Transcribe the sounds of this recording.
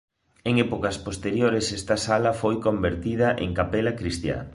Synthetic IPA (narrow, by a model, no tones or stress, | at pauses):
eŋɛpokɐspost̪eɾjoɾesɛst̪ɐsalɐfojkombeɾt̪ið̞ɐʔḛŋkapelɐkɾist̪ja̰